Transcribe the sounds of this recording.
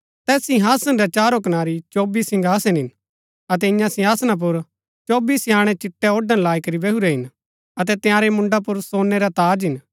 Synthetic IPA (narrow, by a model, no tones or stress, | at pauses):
t̪ɛːsĩɦaːsənɾɛt͡ʃaːɾok̬ɐnaːɾit͡ʃoːbiːsɪ̃ŋɡʱaːsenɦɪn | ɐt̪̬ɛɪ̃jãsɪ̃ɦaːsnãp̬ʊɾ | t͡ʃoːbiːsaːɽ̃ɛ̃t͡ʃɪʈːɛɔːɖənlaːikɐɾibɛɦuɾɛɦɪn | ɐt̪̬ɛt̪ɪjãːɾemʊ̃ɳɖapʊɾsoːnːɛɾat̪aːd͡ʒɦɪn